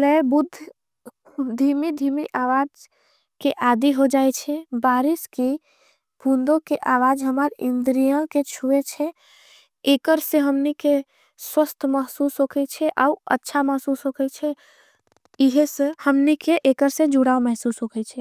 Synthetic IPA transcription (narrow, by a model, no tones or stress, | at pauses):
lɛbud̪ʱː | d̪ʱimid̪ʱimiʔaʋad͡ʒ | keʔad̪iɦod͡ʒaɛt͡ʃʰɛbaɾiski | bʱund̪okeʔaʋad͡ʒɦəmaɾind̪ɾijəlket͡ʃʰuet͡ʃʰɛ | ekəɾsẽɦəmnike | swəst̪ʰməɦsusɦokʰɛt͡ʃʰɛʔa̰uə̰tːʃʰaməɦsusɦokʰɛt͡ʃʰɛ | iɦesehəmnikeʔekəɾsẽd͡ʒuɽaomɛɦsusɦokʰɛt͡ʃʰɛ